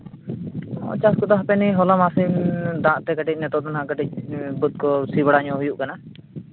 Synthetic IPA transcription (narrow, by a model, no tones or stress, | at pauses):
ɔ̰t͡ʃaskɔd̪aɦapɛniɦɔlɔmasimd̪ãʔt̪ɛɡəʈic̚ˀnɛt̪ɔʔt̪anɦãʔɡəʈic̚ˀbut̪̚kɔsibaɽaɲɔ̃ɦujuʔkana